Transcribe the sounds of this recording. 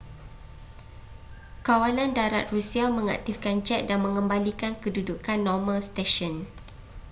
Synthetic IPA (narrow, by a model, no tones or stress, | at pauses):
kawanãndaɾa̰t̪̚rusiamə̃ŋa̰k̚t̪ifkant͡ʃɛt̪̚danmə̃ŋəmbalikankədudukanːɔmãlst̪eʃɔn